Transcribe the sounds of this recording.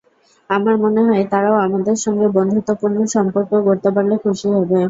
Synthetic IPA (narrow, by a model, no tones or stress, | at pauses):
amaɾmoneɦɔet̪aɾaoamad̪eɾʃɔŋɡebɔnd̪ʱot̪ːopuɾnoʃɔmpoɾkokoɾt̪epaɾlekʰuʃiɦɔbe